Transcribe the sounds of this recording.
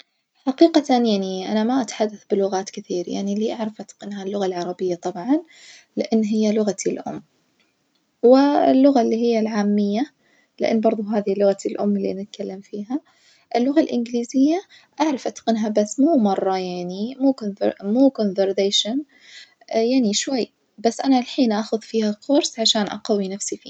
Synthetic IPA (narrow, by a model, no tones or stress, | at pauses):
ħaqiːqat̪anjaʕniʔa̰namaʔat̪ħad̪ːaθbɪlʊɣaːt̪kɪθiːɾja̰ʕniliːʔaʕɾˤɑfʔat̪qɪnɦalːʊɣalʕɑɾˤɑbɪjːat̪ˤɑbʕɑn | lɪʔɪnːɦɪjːalʊɣat̪ʰilʔʊ̰mː | wɪɪlːʊɣalːiːɦɪjːalʕaːmːɪjːa | lɪ̰ʔɪ̰nːbɑɾˤðˤʊɦaːðilːʊɣat̪ʰilʔʊ̰mːɪlːḭnɪt̪kalːamfiːɦa | ʔɪlːʊɣalʔɪ̰nɡɪliːzɪjːa | ʔaʕɾˤɑfʔat̪qɪnɦabasːmuːmɑrˤːɑjaʕnimuːkonvmuːkonvəɾd̪eːʃan | jaʕniʃwajː | basːʔanalħiːnʔaxʊðfiːhakʰʊɾsʕaʃaːnʔa̰qawinafsifḭː